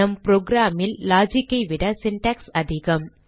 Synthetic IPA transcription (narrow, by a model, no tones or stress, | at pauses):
ɐmpɾoːɡɾaːmɪlːaːd͡ʒɪkːɐɪʋɪɽɐsɪɳʈɐksɐðɪɣɐm